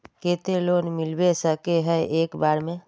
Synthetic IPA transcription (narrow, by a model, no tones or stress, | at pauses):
keːt̪eloːnmɪlbesəkeɦɛeːkbaːɾmẽ